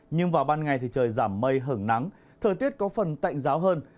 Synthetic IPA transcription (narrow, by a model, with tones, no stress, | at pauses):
ɲɨ˧ŋvaː˨˩wɓaː˧nŋa˨˩jt̪ʰi˨˩t͡ɕəː˨˩jzaː˧˩mːə˧jɦə˧˩ŋna˨˦ŋ | t̪ʰəː˨˩t̪i˦˥ət̚kɔ˨˦fə˨˩nt̪a̰˧˨jŋ̟zaː˨˦wɦəː˧n